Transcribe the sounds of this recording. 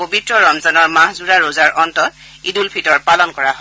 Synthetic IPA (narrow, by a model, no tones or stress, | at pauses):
pobitɹɔɹɔmzanɔɹmãɦzuɹaɹozaɹʔɔntɔt | idulpʰitɔɹpalɔnkɔɹaɦɔ